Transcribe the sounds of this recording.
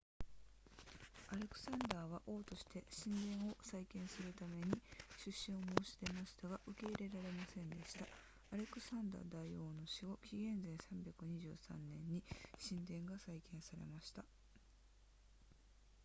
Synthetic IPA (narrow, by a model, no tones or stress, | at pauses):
aɾe̞kɯ̟̥sãnd̪aːβ̞aʔo̞ːt̪o̞ɕi̥t̪e̞ɕĩnd̪ẽ̞ɰ̃o̞saikẽ̞ɰ̃sɨɾɯ̟t̪ame̞ɲ̟iɕɨɕːĩo̞mo̞ːɕi̥t̪e̞maɕi̥t̪aɡaʔɯ̟ke̞iɾe̞ɾaɾe̞masẽ̞nd̪e̞ɕi̥t̪a | aɾe̞kɯ̟̥sãnd̪a̰ːd̪aio̞ːno̞ɕiɡo̞kʲiɡẽ̞nzẽ̞ɰ̃sãmbʲjakɯ̟ɲ̟iʑɨ̰ːsã̰nːẽ̞ɲ̟ːiɕĩnd̪ẽ̞ŋɡasaikẽ̞ɰ̃saɾe̞̰maɕi̥t̪a